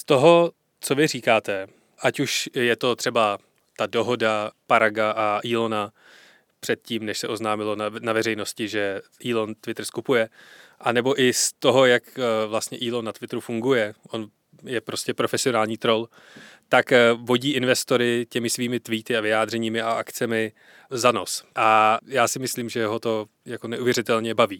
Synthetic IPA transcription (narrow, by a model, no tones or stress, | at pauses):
st̪o̞ɦo̞ | t͡so̞vɪriːkaːt̪ɛ | ʔacuʃjɛt̪o̞t̪r̝̥ɛba | t̪ado̞ɦo̞dapaɾaɡaʔaʔiːlo̞na | pr̥ɛt̪̚ciːmnɛʃsɛʔo̞znaːmɪlo̞navɛrɛjno̞scɪʒɛʔiːlo̞nt̪vɪt̪r̩skupujɛʔanɛbo̞ʔɪst̪o̞ɦo̞jakvlast̪ɲɛʔiːlo̞nːat̪vɪt̪ɾufuŋɡujɛʔo̞n | jɛpɾo̞scɛpɾo̞fɛsɪo̞naːlɲiːt̪ɾo̞l | t̪akvo̞ɟiːʔɪnvɛst̪o̞ɾɪcɛmɪsviːmɪt̪viːt̪ɪavɪjaːd̪r̝ɛɲiːmɪaʔak̪t͡sɛmɪ | zano̞sʔajaːsɪmɪsliːmʒɛɦo̞t̪o̞ | jako̞nɛʔuvjɛɾɪt̪ɛlɲɛbaviː